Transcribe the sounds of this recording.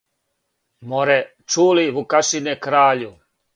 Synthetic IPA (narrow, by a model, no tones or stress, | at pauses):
moɾɛ | t͡ʃuːliʋukaʃinekɾaːʎu